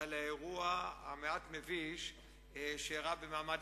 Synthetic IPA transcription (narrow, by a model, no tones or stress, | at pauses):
alaeʁuaameatmeviʃ | ʃeaʁabemaːmad